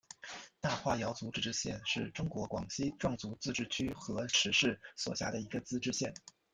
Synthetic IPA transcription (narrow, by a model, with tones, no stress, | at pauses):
t̪a˥˧xwa˥˩jɑ˧˥ʊt͡su˧˥ʈ͡ʂɻ̩˥˩ʈ͡ʂɻ̩˥˧ɕjɛ˥˧nʂɻ̩˥˩ʈ͡ʂʊ˥ŋkwɔ˧˥kwɑ̰˨˩ŋɕi˥ʈ͡ʂwɑ˥˩ŋt͡su˧˥t͡sɹ̩˥˧ʈ͡ʂɻ̩˥˩t͡ɕʰy˥xɤ˧˥ʂʰɻ̩˧˥ʂɻ̩˥˩swɔ̰˨˩ɕja̰˥˩d̪ə˩i˧˥ɡə˧t͡sɹ̩˥ʈ͡ʂɻ̩˥˧ɕjɛ˥˩n